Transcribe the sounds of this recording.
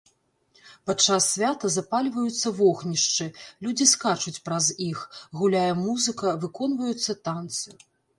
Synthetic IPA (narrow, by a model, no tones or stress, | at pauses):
pat͡ʂːasːʲvʲat̪ɐzapalʲvɐjut̪sːɐvɔxnʲiʂt͡ʂɨlʲud͡zʲiskat͡ʂut͡sʲpɾɐzixɣulʲajɛmuzɨkɐvɨkɔnvɐjut̪sːɐt̪ant̪sɨju